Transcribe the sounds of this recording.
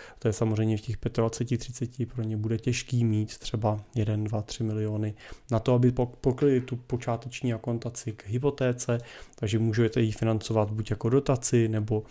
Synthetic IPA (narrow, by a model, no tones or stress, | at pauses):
t̪ojɛsamozr̝ɛjmɲɛfcɛxpjɛt̪advat͡sɛcɪt̪r̝̥ɪt͡sɛcɪpɾo̞ɲɛbudɛcɛʃkiːmiːt̪ːr̝̥ɛbajɛdɛndvat̪r̥ɪmɪlɪo̞ːnɪnat̪oabɪpoklɪt̪upot͡ʃaːt̪ɛt͡ʃɲiːakont̪at͡sɪkɦɪp̬o̞t̪ɛːt͡sɛt̪aɡʒɛmuːʒɛwt̪ɛjifɪnant͡so̞vat̪bucjako̞do̞t̪at͡sɪnɛbo̞